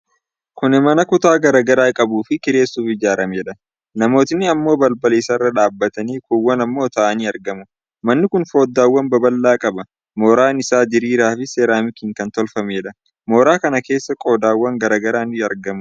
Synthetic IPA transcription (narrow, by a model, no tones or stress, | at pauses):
kʊnɛmɐnɐkʊt̪aːɡɐɾɐɡɐɾaːkʼɐbuːfɪkɪɾe̞ːsːuːfɪd͡ʒaːɾɐmeːᶑɐ | nɐmo̞ːt̪ɪnːɪɐmːo̞ːbɐlbɐleːsɐrːɐᶑaːbːɐt̪ɐniːkuwːɐnɐmːoːt̪ɐʔɐniːɐɾɡɐmʊ | mɐnːɪkʊnfo̞ːd̪ːaːwːɐnbɐbɐlːaːkʼɐbɐ | moːɾaːnɪsaːd͡ʒɪɾiːɾaːfɪse̞ːɾaːmɪkiːŋkɐnt̪ɔlfɐmeːᶑɐ | moːɾaːkɐnɐke̞ːsːɐkʼo̞ːd̪aːwːɐŋɡɐɾaːɡɐɾaːnɐɾɡɐmʊ